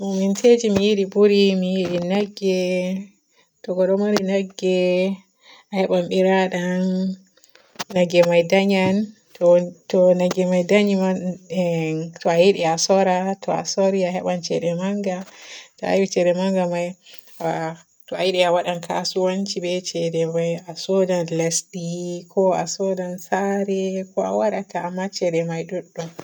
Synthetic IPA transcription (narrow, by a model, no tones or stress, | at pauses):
momintʰed͡ʒimijiɗibuɾimijiɗinaɡːɛ | tɔɡɔɗɔmaɾinaɡːɛ | ahɛɓamɓiɾaɗan | aɡɛmajdaɲan | ttɔnaɡɛmajdaɲima | tɔajiɗiasɔɾatɔa̰sɔɾiaɦɛɓant͡ʃɛɗɛmaŋɡatɔa̰jwit͡ʃɛdɛmaŋɡamaj | tɔajiɗɛawaɗankʰa̰suwant͡ʃibɛt͡ʃɛdɛmajasɔdanlasɗikʰɔasɔdansaɾɛkɔa̰waɾatʰaːmːat͡ʃɛdɛmajɗuɗːum